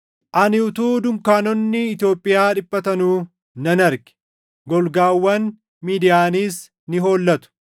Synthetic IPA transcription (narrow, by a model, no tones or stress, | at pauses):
ʔɐnɪʊt̪uːd̪ʊmkaːnɔnːɪːt̪jo̞ːpʼːɪjaːᶑɪpʼːɐt̪ɐnuː | nɐnɐɾɡɪ̥ | ɡɔlɡaːwːɐn | miːd̪ɪjaːniːs | nɪɦo̞ːlːɐt̪ʊ̥